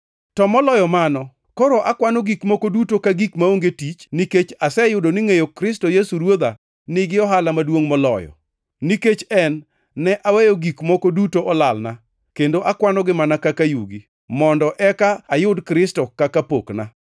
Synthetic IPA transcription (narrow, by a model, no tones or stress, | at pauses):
tɔmɔlɔjɔmanɔ | koɾoʔakwanoɡikmɔkodutokaɡikmaoŋɡetit͡ʃniket͡ʃasɛjʊdonɪŋejokɾɪstojesuɾwod̪a | nɪɡɪɔɦalamadwoŋmɔlɔ̰jɔ̰ | niket͡ʃɛnː | ɛʔawejoɡikmɔkodutoʔɔlalna | kendoʔakwanɔɡɪmanakakajuɡi | mɔndɔʔɛkaːjʊdkɾɪstɔkakapokna